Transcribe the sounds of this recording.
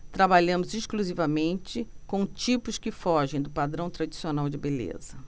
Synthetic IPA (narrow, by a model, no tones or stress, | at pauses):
t̪ɾabaʎɐ̃mʊzɪʃkluzivɐmẽnt͡ʃɪkõw̃t͡ʃipʊskɪfɔʒẽj̃d̪ʊpad̪ɾɐ̃w̃t̪ɾad͡ʒisionawd͡ʒɪbelḛzɐ